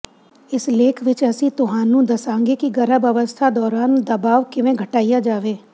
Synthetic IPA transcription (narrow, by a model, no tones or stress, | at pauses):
ɪsleːkʰʋɪt͡ʃɛsit̪ʊɦãːnũd̪ɐsãːŋɡekiɡɐɾəbɐʋəst̪ʰad̪ɔːɾaːnd̪ɐbaːʋkɪʋẽɡʱəʈaːijad͡ʒaːʋeː